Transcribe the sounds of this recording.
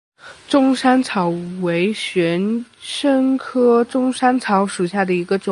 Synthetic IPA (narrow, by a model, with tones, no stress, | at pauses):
ʈ͡ʂʊ˥ŋʂa˥nt͡sʰɑ˧˥ʊwe˧˥ɪɕɥɛ˧˥nʂə˥ŋkʰɤ˥ʈ͡ʂʊ˥ŋʂa˥nt͡sʰɑ˧˥ʊʂu˨˩ɕja˥˩d̪ə˩i˧˥ɡə˧ʈ͡ʂʊ˨